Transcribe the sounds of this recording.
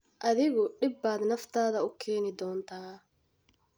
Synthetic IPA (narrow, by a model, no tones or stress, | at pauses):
ʔɐðɪɣɔɖɪbːaːd̪nɐft̪ʰaːðɐʊkʰɛːnɪd̪ɔːnt̪ʰaː